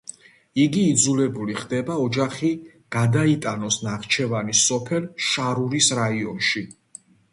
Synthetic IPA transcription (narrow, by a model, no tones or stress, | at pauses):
iɡiːd̪zulɛbuliχd̪ɛbaɔd͡ʒaχi | ɡ̥ad̪ait̪ʼanɔsnaʁt͡ʃʰɛvanisɔpʰɛlʃaɾuɾisɾaiɔnʃi